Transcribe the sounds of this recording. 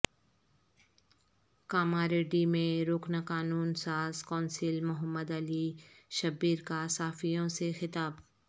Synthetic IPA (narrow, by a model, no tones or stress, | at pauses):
kaːmaɾeːɖimẽɾoːknakaːnuːnsaːzkɔ̃ːnsɪlmʊɦəmːəd̪ɐliʃɐbiːɾkasaːfijõsexɪt̪aːb